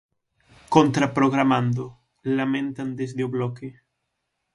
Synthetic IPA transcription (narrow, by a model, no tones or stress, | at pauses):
kont̪ɾapɾoɣ̞ɾamãnd̪o | lamẽnt̪and̪ezðeoβloke